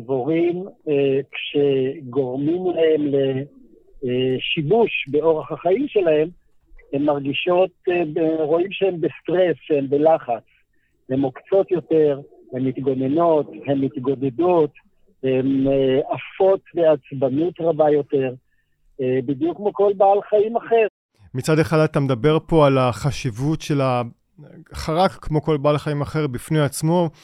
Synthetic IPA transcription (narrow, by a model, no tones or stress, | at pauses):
voʁimkʃeɡo̞ʁmimlahemle̞ | ʃibuʃbe̞o̞ʁeχhaχaimʃe̞lahe̞m | hemːaʁɡiʃo̞t̪ | ʁo̞imʃehembest̪ʁesʃeembelaχat͡s | he̞mokt͡so̞t̪jo̞te̞ʁ | hemit̪ɡoneno̞t̪he̞mːit̪ɡo̞d̪e̞dot̪ | hemafo̞t̪beat͡sbanutʁabajo̞te̞ʁ | ebid̪jukːmoko̞lbaːlχaimaχe̞ʁ | mit͡sad̪eχadat̪amed̪abe̞ʁpo̞alaχaʃivutʃe̞la | χaʁakkːmo̞ko̞lbaːlχaimaχe̞ʁbifnejat͡smo̞